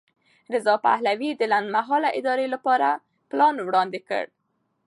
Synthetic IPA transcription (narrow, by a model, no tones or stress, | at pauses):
ɾɪzɑpa̰hlawid̪əland̪maɦɑlaʔɪd̪ɑɾelapɑɾa | plɑnwɽɑnd̪ɪkə̰ɽ